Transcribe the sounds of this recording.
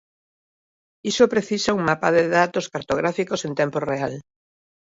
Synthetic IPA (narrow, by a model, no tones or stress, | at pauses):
isopɾeθisauŋmapaðeðat̪oskaɾt̪oɣ̞ɾafikosent̪emporeal